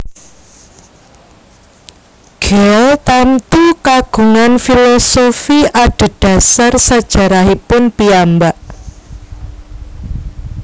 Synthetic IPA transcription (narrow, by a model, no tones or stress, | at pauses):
ɡ̥ɛɛlt̪amt̪ukaɡ̥ṳŋanfilosofiʔaɖ̥ə̤ɖ̥ä̤sarsad̥ʒ̥a̤ɾaɦipʊnpiambaʔ